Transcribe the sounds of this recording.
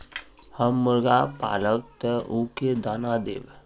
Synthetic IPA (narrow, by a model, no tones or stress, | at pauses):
həmːəɾɡapa̰ːləʋt̪əuked̪aːnad̪ḛːʋ